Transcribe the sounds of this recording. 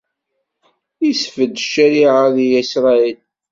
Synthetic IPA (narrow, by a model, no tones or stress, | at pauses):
isfəd̪ʃæɾiʕaðijæsɾˤɑil